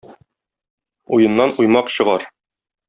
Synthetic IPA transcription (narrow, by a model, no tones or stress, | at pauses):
ujɤ̆nːɑnujmɑqɕɤ̆ʁɑɾ